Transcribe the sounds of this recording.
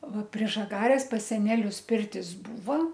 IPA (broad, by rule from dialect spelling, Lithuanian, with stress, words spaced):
ˈʋɐ pʲrʲiɛ ʒɐˈɡɑːrʲeːs pɐs sʲɛˈnʲæːlʲʊs ˈpʲɪrʲtʲɪs ˈbuːʋɐ